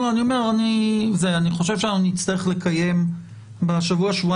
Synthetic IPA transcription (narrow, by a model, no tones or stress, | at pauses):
oanio̞me̞ʁanizeaniχo̞ʃevʃeanaunit͡st̪aʁeχle̞kʰaje̞m | beʃavuaʃvua